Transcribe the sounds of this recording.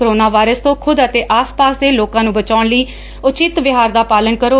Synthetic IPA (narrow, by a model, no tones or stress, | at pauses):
əɾoːnaːʋaːɪɾəst̪õːkʰʊd̪ət̪eːʔaːspaːsd̪eːloːkãːnũːbət͡ʃaːʊɳləiː | ʊt͡ʃɪt̪ʋɪɦaːɾd̪aːpaːlənkəɾoː